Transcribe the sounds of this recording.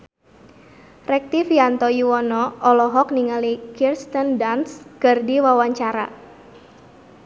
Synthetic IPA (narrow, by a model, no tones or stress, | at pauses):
rɛk̚t̪ifjant̪ɔjuwɔnɔɔlɔɦɔkniŋalikirst̪ɔndanskərdiwawaɲt͡ʃaɾa̰